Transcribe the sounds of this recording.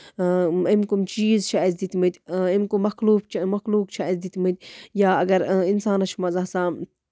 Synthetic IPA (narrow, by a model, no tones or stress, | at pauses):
imkumt͡ʃiːzt͡ʃʰaːizd̪it̪mɨt̪ʲimkumɐxluːbt͡ʃmɐxluːkt͡ʃʰaizd̪it̪mɨt̪̚ʲjaːɐɡɐɾinsaːnɐt͡ʃʰmɐzaːsa